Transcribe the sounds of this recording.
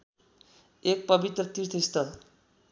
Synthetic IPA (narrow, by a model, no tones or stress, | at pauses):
ek̚pʌbit̪rʌt̪irt̪ʰʌist̪ʌl